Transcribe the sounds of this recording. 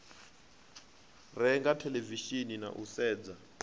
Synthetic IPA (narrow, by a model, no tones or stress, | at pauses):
rɛŋɡatʰɛleviʃinina̰ʔṵsɛːd͡za